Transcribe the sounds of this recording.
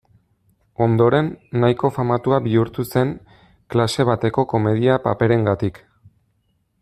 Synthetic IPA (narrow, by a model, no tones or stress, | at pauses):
o̞nd̪o̞ɾe̞nːajko̞famat̪uaβiuɾt̪use̞ŋ | klase̞β̞at̪e̞ko̞ko̞me̞ð̞iapape̞ɾe̞ŋɡat̪ik